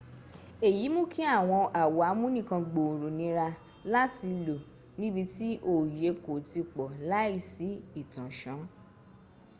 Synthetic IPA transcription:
e˨ji˨˦mũ˦ki˦a˦˨w̃ɔ̃˧ʔa˨wa˨˦mũ˦nĩ˦˨kã˧ɡ͡bo˨ɾo˨nĩ˨˦ɾa˧ | la˦ti˧lo˨ | nĩ˦bi˧ti˦ʔo˦˨je˨˦ko˨ti˧k͡pɔ˨la˦i˦˨si˨˦i˦˨tã˨ʃã˨˦

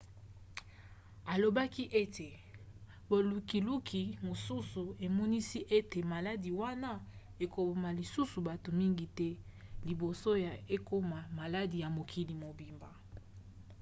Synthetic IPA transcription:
a˨lo˨ba˦ki˦ʔe˦te˨ | bo˨lu˨ki˨lu˦kʰi˨mo˨su˦su˨e˨mɔ˦ni˦si˦ʔe˦te˨ma˨la˦di˨wa˦na˦ | e˨ko˨bo˨ma˨li˨su˦su˨ba˨to˨mi˦ŋɡi˨tɛ˦li˨bo˨so˦ja˨e˦ko˦ma˨ma˨la˦di˨ja˨mo˨kʰi˨li˨mo˨bi˨mba˨

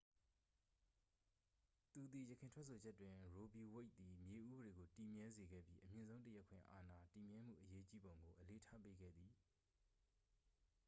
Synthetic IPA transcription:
t̪u˨d̪ði˨jəkʰɪ̃˨ntʰwɛ˦ʔsʰo˨d͡ʑɛ˦tːwɪ̃˨ɹo˨bi˨we˦ɪʔ̪̚t̪i˨mje˨ʔu˦bəɾe˨ɡo˨ti˨mjɛ˦ze˨ɡɛ̰˦˨bjḭ˦ʔəmjɪ̃˨nzõ˦ʊ̃nt̬ə˦jɛ˦kʰwɪ̰̃˦˨ʔa̰˨na˨ti˨mjɛ˦m̥ṵ˦˨ʔəje˦t͡ɕi˦bõ˨ʊ̃ŋɡo˨ʔəle˨tʰa̰˦pe˦ɡɛ̰˦˨d̪ði˨

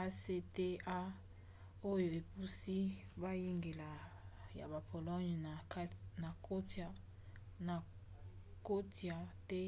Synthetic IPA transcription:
a˦se˦te˦a˦ | o˦jo˨e˨pu˦si˦ba˦je˦ŋɡe˨la˨ja̰˨ba˨pʰo˨lɔ˦ɲ˨˦na˨ko˦ta˦ | na˨ | ko˦ti˨a˨tɛ˦

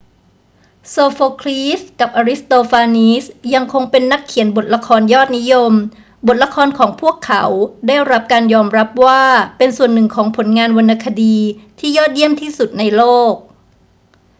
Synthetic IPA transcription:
soː˧foː˧kʰliː˦˥ska˨˩p̚ʔaː˧ɾi˦˥st̪oː˧faː˧niː˦˥sja˧ŋkʰo˧ŋpe˧nːa˦˥kʰːi˨˩˦nbo˨˩t̪̚la˧kʰɔː˧njɔː˥˩t̪̚ni˦˥jo˧m | bo˨˩t̪̚la˧kʰɔː˧nkʰɔː˩˦ŋpʰu˥˩əkʰːa˩˦wdaː˥˩jɾa˦˥p̚kaː˧njɔː˧mɾa˦˥p̚waː˥˩pe˧nsu˨˩ənːɯ˨˩ŋkʰɔː˩˦ŋpʰo˨˩˦nŋaː˧nwa˧nːa˧kʰa˧diː˧t̪ʰiː˥˩jɔː˥˩t̪̚ji˥˩əmt̪ʰiː˥˩su˨˩t̪̚na˧jloː˥˩k̚

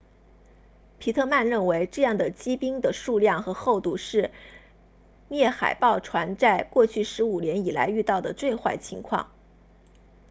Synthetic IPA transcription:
pʰi˧˥t̪ʰɤ˥˧ma˥˧nɻə˥˩nwe˧˥ɪʈ͡ʂɤ˥˧jɑ˥˩ŋd̪ə˩t͡ɕi˥pi˥ŋd̪ə˨ʂu˥˧ljɑ˥˩ŋxɤ˧˥xo˥˧ʊt̪u˥˧ʂɻ̩˥˧ | mjɛ˥˩xa̰˨˩ɪpɑ˥˩ʊʈ͡ʂʰwa˧˥nt͡sa˥˧ɪkwɔ˥˧t͡ɕʰy˥˩ʂɻ̩˧˥u˨˩njɛ˧˥ni˨˩la̰˧˥ɪy˥˧t̪ɑ˥˩ʊd̪ə˩t͡swe˥˧ɪxwa˥˩ɪt͡ɕʰḭ˧˥ŋkʰwɑ̰˥˩ŋ

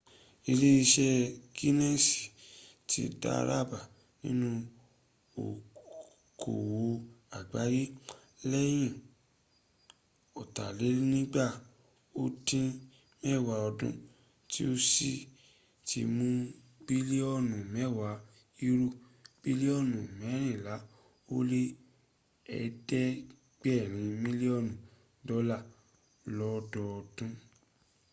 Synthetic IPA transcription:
i˧li˦i˧ʃɛ˦ki˦nɛ̃˦si̥˨ | tʰḭ˨˦da̰˦ɾa̰˦˨ba˨ | nĩ˦nũ˧ | o̰˨ | kʰo̰˨wo˨˦a˨ɡ͡ba˨˦ji˦ | lɛ˦j̃ĩ˦˨ | ɔ˨ta̰˨le˨˦ɾi˦nĩ˦ɡ͡ba˦˨ | o˦tĩ˦ | mɛ˦˨wa˨ɔ˧dṵ̃˧˦ | tḭ˦o˦si˦˨ | ti˧mũ˦ | ɡ͡bi˦li˦ɔ˦˨nũ˨mɛ˨˦˨wa˨˦ | i˧ɾu˦ | b̥i˦li˦ɔ˦˨nũ˨mɛ˨˦ɾĩ˦˨la˨˦ | o˦le˦ | ɛ̰˨dɛ˦ | ɡ͡b̥ɛ˦˨ɾĩ˨˦mĩ˦li˦ɔ˦˨nũ˨ | dɔ˦la˦˨ | lɔ˦dɔ˧ɔ˧d̥ũ˦

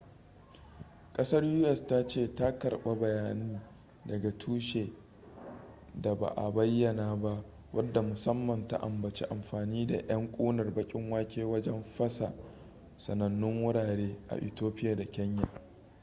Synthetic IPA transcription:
kʼɐ˦sɐ˦rjuː˦ʔɛ˨sta˦t͡ʃeː˦˨ta˦kɐ˨rɓa˦˨bɐ˨jaː˦niː˦ | dɐ˨ɡa˨tʰuː˦ʃeː˨ | da˨ba̰˨ʔa̰˨bɐ˦jːɐ˨naː˨ba˦ʔ | wʔɐ˦dːa˨mʊ˨sɐ˦mːɐ˨nta̰˦ʔa̰˨mbɐ˨t͡ʃḛ˦ʔa˨mɸaː˨niː˦da̰˨ʔɐ˦ŋkʷʼoː˦nɐ˨rbɐ˦kʲʼɪ˦ŋwaː˦kʲeː˦wɐ˦d͡ʒɛ˦mɸɐ˦sa̰˨ | sɐ˨nɐ˨nːʊ˦ŋwʊ˦ɽaː˨ɽeː˦ʔa̰˨ʔɪ̰˨toː˦ɸɪ˦jaː˨da˨kʲɛ˦ɲja̰˨

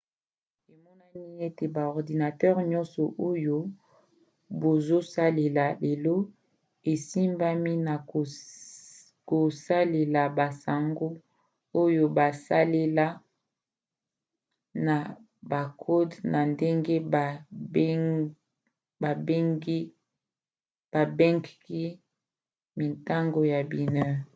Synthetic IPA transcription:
e˨mɔ˦na˦ni˦e˦te˨ba˨ɔ˨ʁdi˨na˨tɛ˦ʁɲɔ˦nsɔ˨ʔo˦jo˦ | bo˨zo˦sa˦le˨la˨le˨lo˦ | e˨si˦mba˦mi˦na˨ | ko˨sa˦le˨la˨ba˨sa˨ŋɡo˦ | o˦jo˦ba˨sa˦le˦la˦ | na˨ | ba˨kʰo˦dna˨nde˦ŋɡe˦b | ba˨be˦ŋɡi˦ | b̥a˨bɛ˦ŋɡki˦ | mi˨nta˦ŋɡo˨ja˨bi˨nɛ˦

